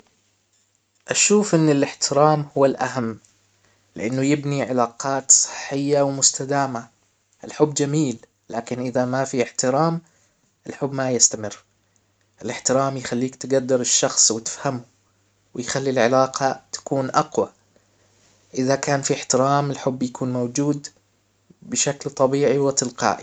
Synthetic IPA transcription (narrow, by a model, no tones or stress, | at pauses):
ʔaʃuːfʔɪnːɪlɪħt̪ʰɪɾaːmhʊwːalʔa̰ɦamː | lɪʔanːʊjɪbniʕɪlaːqɑːt̪sˤɨ̥ħːɪjːawmʊst̪ad̪aːma | ʔɪlħʊbːd͡ʒamiːl | laːkɪnʔɪðamafiɪħt̪ɪɾaːm | ʔɪlħʊbːmajɪst̪amɪrː | ʔɪlɪħt̪ɪɾaːmjxalːiːkt̪ɪɡad̪ːɪɾɪʃːɑxsˤwɪt̪ɪ̥fhamʊ | wɪjxalːilʕɪlaːqʰɑt̪ḁkuːnʔɑqwa | ʔɪðakaːnfiɪħt̪ɪɾaːmɪlħʊbːjakʰuːnmowd͡ʒuːd̪ | bɪʃaklt̪ˤɑbiːʕiwɪt̪ɪlqɑ̰ːʔḭ